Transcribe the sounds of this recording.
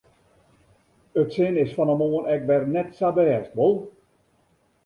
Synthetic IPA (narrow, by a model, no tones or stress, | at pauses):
ətsɪnɪsfɔnəmoːənɛkʋɛrnɛtsabɛːstʋolˠ